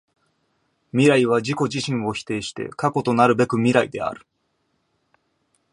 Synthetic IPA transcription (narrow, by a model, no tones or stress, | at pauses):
mʲiɾaiβ̞ad͡ʑiko̞d͡ʑiɕĩɰ̃βo̞çi̥t̪e̞ːɕi̥t̪e̞̰kako̞t̪o̞naɾɯ̟be̞kɯ̟mʲiɾaid̪e̞̰a̰ɾɯ̟̥